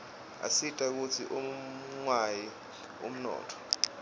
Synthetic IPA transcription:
a̰sitʼak̬ut͡sʰiʔuŋwaji | ṵm̩nɔ̰ːtʰɔ̥

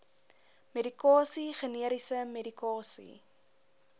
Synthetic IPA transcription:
meɾikɑːsiχəniəɾisəmedikɑːsḭ

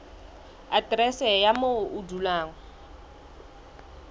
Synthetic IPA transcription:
atrɛsɛjamoʊdulaːŋɔ

